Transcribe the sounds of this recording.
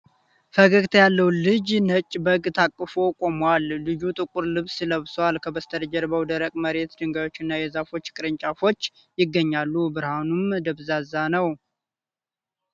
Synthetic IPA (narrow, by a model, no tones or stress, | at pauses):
fəɡəɡt̪ʰəjalːəwlɨd͡ʒnət͡ʃʼːbəɡt̪ʰakʼːɨfo̞kʼo̞mwalːɨd͡ʒut̪ʼɨkʼuɾlɨβsləβswalkʰəbəst̪ʰəɾd͡ʒəɾbəwd̪əɾəkʼməɾe̞t̪d̪ɨŋɡajo̞t͡ʃːɪnːajɛzafo̞t͡ʃːkʼɨɾɨnt͡ʃʼafo̞t͡ʃː | jɪɡːəɲːalːubɨɾhanumd̪əβzazanəw